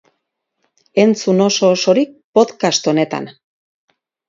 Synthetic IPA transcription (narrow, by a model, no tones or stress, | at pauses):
e̞nt͡suno̞so̞ːso̞ɾik̚po̞ðkast̪o̞ne̞t̪a̰n